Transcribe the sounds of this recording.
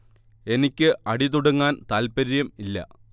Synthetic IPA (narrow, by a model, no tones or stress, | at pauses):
e̞nikʲːɨʔɐɽit̪uɽɐŋːaːnt̪aːlpɐɾijɐmilːɐ̰